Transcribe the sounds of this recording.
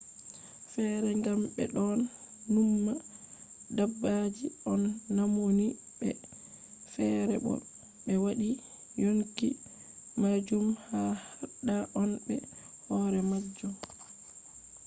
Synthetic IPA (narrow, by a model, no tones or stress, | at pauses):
fɛɾɛŋɡamɓɛ̰ɗɔnːumːa | dabːad͡ʒiʔɔnːamoni | ɓɛ̰ | fɛɾɛɓɔ̰ | ɓɛwaɗi | joŋki | mad͡ʒumhahaɗːaʔɔnɓɛ | hɔɾɛmad͡ʒːɔ